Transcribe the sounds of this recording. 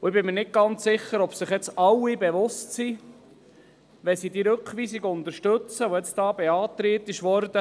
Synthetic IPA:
ʊɪbɪmənɪt̚ɡ̥ɑnt͡sɪχəɾɔbsɪχjɛt͡sɑwːibɛʋʊstsi | ʋɛsid̪iːɾɵkχʋiːsiɡʊnt̪əʃtɵt͡səoɛt͡sd̥ɑːbɛɑːt̪ɾeːt̪ːɪʃʋɔɾd̪ə

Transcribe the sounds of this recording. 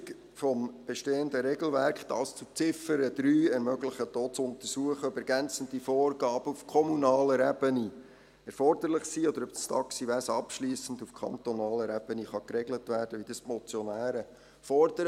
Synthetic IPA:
k | fɔmb̥eʃteːənd̪əɾɛɡl̩væɾkχd̥ɑ̰ːst͡sut͡sɪfəɾəd̥̪ɾyːɛɾmœɡlɪχəd̥oːt͡sʊntərsuəχəœbɛɾɡænt͡səndifoːrɡɑːb̥əufkʰɔmunɑːləɾɛbəni | ɛɾfɔrd̥̪əɾlɪχsiːɔd̪əɾœpstɑ̰ksiʋæsɑpʃliːsn̩dufkʰχɑ̰ntonɑːləɾɛb̥əniχɑkɾɛɡlətʋæːɾd̥əʋid̥ɑsmɔt͡sjɔnæːɾə | fɔɾdəɾ

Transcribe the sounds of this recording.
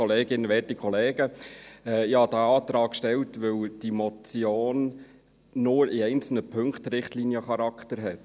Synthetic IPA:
ɔleːɡɪnəʋɛːtikχɔleːɡ̥əɛɪhɑd̥̪æɑːt̪ɾɑːkʃtɛltʋɵwd̥imɔt͡sjoːnː | ʊːɾɪɛɪnt͡sl̩nəpʰɵŋkχt̪ɾɪχtliːnjəχɑɾɑkʰtəɾɦɛt

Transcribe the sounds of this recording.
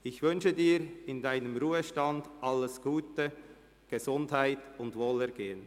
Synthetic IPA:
ɪçvʏnʃədiːɾɪndaɪnəmɾuːəʃtɑndʔɑlːəsɡ̥uːtə | ɡ̥ezʊndhaɪtʊndvoːlɛɾɡeːən

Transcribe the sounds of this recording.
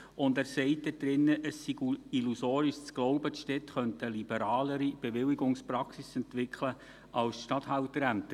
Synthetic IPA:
ʊndæːɾsɛɪt̚dɛd̥̪ɾɪnːəʔəsːiɡuilusoːɾiʃt͡sɡ̥lɔʊbət̪ʃtɛtχœntəlib̥əɾɑːləɾib̥eʋɪliɡʊŋspɾɑksisɛntʋɪkʰlə | ʔɑlsʃtɑthɑltəɾæmtə

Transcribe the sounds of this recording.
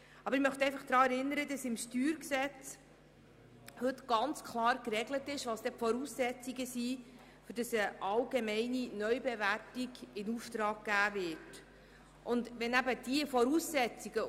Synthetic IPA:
ɑbəɾɪmœχtəɛɪfɑχd̪̥ɾɑːɛɾɪnːəɾəd̥ɑsɪmʃtyːɾksɛt͡s | hɵtɡ̥ɑnt͡skʰlˠɑːɾkɾɛɡlətɪʃʋɑːsd̥ɛpfɔɾuːsːɛt͡siɡəsi | fʏɾd̥ɑsəʔɑlɡemɛɪninœʏbɛværtiɡɪnuftɾɑːɡ̚ɡ̥æːvɪt | ʔʊndʋɛnæbəd̥iəfɔɾuːsːɛt͡siɡə

